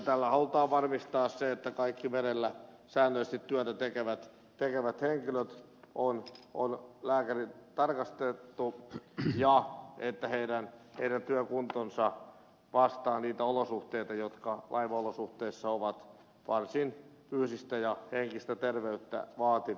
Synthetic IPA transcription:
t̪ælːæhɑlut̪ɑːʋɑrmist̪ɑːsseet̪ːækɑikːimeɾelːæ | sæːnːøist̪it̪tyæt̪æt̪ekeʋæt̪ | t̪ekeʋæt̪heŋkiløt̪ | ʔonʔonlæːkærit̪ɑrkɑst̪et̪ːujɑʔet̪ːæheiɾænheiɾænt̪yøkunt̪onsɑ | ʋɑst̪ɑːniːt̪æolosuht̪eit̪ɑjot̪kɑlʔɑ̰iʋɑolosuht̪eisːɑoʋɑt̪ | ʋɑrsin | pyːsist̪æjɑheŋkist̪æt̪erʋeyt̪ːæ̰ʋɑːt̪iʋ

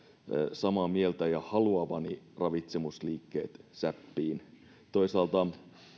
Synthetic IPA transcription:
sɑmɑmielt̪æjɑhɑluɑʋɑni | rɑʋit̪semusliːkːeːt̪sæpːiːn | t̪oisɑːlt̪ɑ

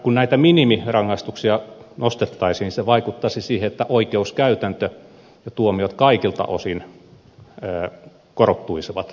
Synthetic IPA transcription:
kunnæit̪æminimirɑŋːɑst̪uksiɑnost̪et̪ːɑisiniseʋɑikut̪ːɑsisiːheet̪ːæʔoikeuskæyt̪ænt̪ø | jɑt̪uomiot̪kɑikilt̪ɑ̰ʔo̰sin | korot̪ːuisiʋɑt̪

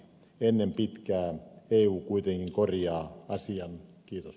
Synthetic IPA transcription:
enːempit̪kæːeːuːkuit̪eŋkiŋkorjɑːɑsiɑnkiːt̪os

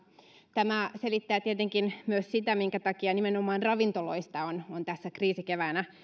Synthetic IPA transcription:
t̪æmæselit̪ːæːt̪iet̪eŋkinmyøssit̪æmiŋkæt̪ɑkiɑnimenomˑɑːnrɑʋint̪oloist̪ɑonont̪æsːækriːsikeʋæːnæ

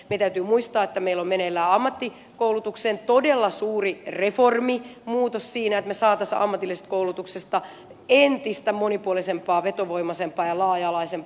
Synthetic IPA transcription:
meit̪æyt̪yːmuist̪ɑːet̪ːæmeilːommenelːæːɑmːɑt̪ːi | koulut̪ukseːnt̪odelːɑsuːrireformimuːt̪ossiːnæet̪mesɑːt̪æstɑ̰mːɑt̪ilːise̥t̪koulut̪uksest̪ɑ | ent̪ist̪æmonipuolisempˑɑːʋet̪oʋoimɑsempːˑɑːjɑlɑːjɑlɑisempː

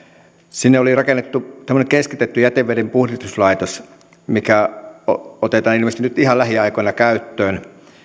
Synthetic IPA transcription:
sinːeolirɑkenːet̪ːut̪æmːŏnekeskit̪et̪ːyjæt̪eʋːedempuhrit̪uslɑit̪os | mikæoot̪et̪ɑːnilmest̪inyt̪ihɑlæhiɑikoinɑkæyt̪ːøːn

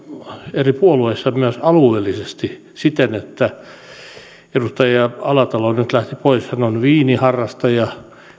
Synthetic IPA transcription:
eripuoluesːɑmyøsɑlueːlːisest̪i | sit̪enet̪ːæ | edust̪ɑjɑɑlɑt̪ɑlonyt̪læht̪ipoishænonʋiːnihɑrːɑst̪ɑjɑ

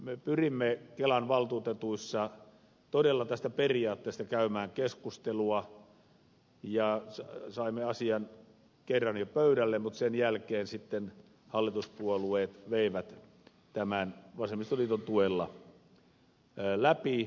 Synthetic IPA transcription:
mepyrimːekelɑnʋɑlt̪uːt̪et̪uisːɑ | t̪odelːɑt̪æst̪æperiɑːt̪ːeˑːst̪ɑkæymæːŋkeskust̪eluɑ | jɑsɑsɑimːeɑsiɑn | kerːɑnjopøyɾælːemmut̪senjælkeːnsit̪ːen | hɑlːit̪uspuolueːt̪ʋeiʋæt̪ | t̪æmænʋɑsemːˑist̪olit̪ont̪uelːɑ̰ | læpi

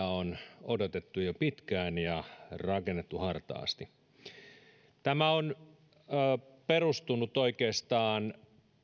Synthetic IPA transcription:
æonodot̪et̪ːujopit̪kæːnjɑrɑkenːet̪ːuhɑrt̪ɑ̰ːst̪i | t̪æmæonː | perust̪unut̪oikeːst̪ɑːn

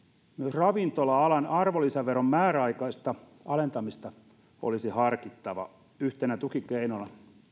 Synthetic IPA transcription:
myøsrɑʋint̪olɑɑlɑnɑrʋolisæʋːerommæːɾæɑikɑist̪ɑ | ɑlent̪ɑmist̪ɑ | o̰lisihɑrkit̪ːɑʋɑ̰ | yht̪enæt̪ukikeinonɑ

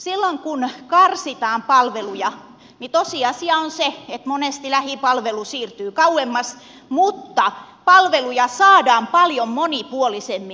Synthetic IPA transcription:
silːoŋkunkɑrsit̪ɑːmpɑlʋelujɑ | nit̪osiɑsiɑonseet̪monest̪ilæhipɑlʋelusiːrt̪yːkɑuwemːɑs | mut̪ːɑpɑlʋelujɑsɑːdɑːmpɑljommonipuolisemːi

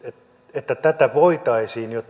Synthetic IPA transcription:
e | et̪ːæt̪æt̪æʋoit̪ɑisiːnjot̪ː

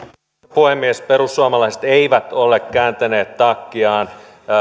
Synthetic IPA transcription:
puhemːiespeɾusːuɑmɑlɑise̥t̪eiʋæt̪olːekkæːnt̪æneːt̪ːɑkːiɑːn

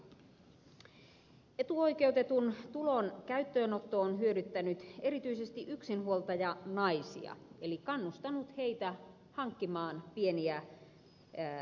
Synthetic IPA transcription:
e̞t̪uo̞jke̞ut̪e̞t̪unt̪ulo̞nkæyt̪ːøːnot̪ːoonɦyødyt̪ːænyt̪e̞ɾit̪yisest̪iʔyksinhuolt̪ɑjɑnɑisḭɑ̰elikɑnːust̪ɑnut̪he̞it̪æ | hɑŋkːimɑːnpie̞niæ

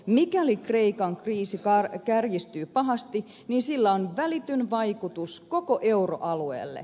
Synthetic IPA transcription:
mikælikreikɑŋkriːsikɑrkærjist̪yːpɑɦɑst̪i | ninsilːæonʋælit̪ynʋɑjkut̪usko̞koʔeuro̰ʔɑluḛːlːḛ

